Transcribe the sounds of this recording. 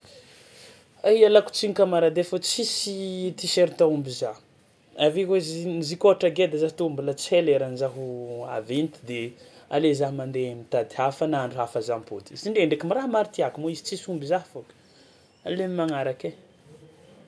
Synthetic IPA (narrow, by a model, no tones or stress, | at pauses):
aialaku̥t͡siŋikamaɾad̪efot͡sisit̪iseɾit̪aumbiza | avikweznzikoaʈ͡ʂaɡed̪azaɦt̪uumbulət͡seleɾanzaɦua̰vent̪i̥d̪ealezaɦmand̪emit̪ad̪iafənaɳɖ͡ʐuafazampod̪iziɳɖ͡ʐeeɳɖ͡ʐekimiɾamaɾit̪iakumoizi̥t͡sisumbizafok | alemimaŋaɾake